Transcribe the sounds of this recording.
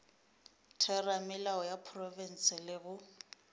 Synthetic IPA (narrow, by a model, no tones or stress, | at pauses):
tʰɛramɪlaɔjapʰrɔvɛn̩sɪlɪbʊ